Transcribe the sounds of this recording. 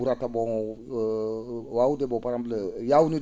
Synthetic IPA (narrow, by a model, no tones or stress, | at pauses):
uɾatabɔɔ | waudebɔpaɾãmblejauni